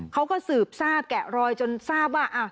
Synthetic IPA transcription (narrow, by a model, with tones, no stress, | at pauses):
kʰa˦˥wkɔː˥˩sɯː˨˩p̚saː˥˩p̚kɛ˨˩ɾɔː˧jt͡ɕo˧nsaː˥˩p̚waː˥˩ʔa˧˩